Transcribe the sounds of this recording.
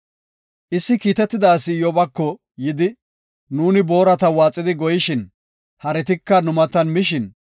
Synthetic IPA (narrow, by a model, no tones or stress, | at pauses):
ʔɪsːɪkiːt̪ɛt̪ːɪd̪aːsːɪjɔbɐkːɔ | jɪd̪ɪ | nuːnɪbo̞ːɾɐt̪ɐwaːt͡sʼːɪd̪ɪɡɔjɪʃɪn | hɐɾɛt̪ɪkːɐnʊmɐt̪ɐnmɪʃɪn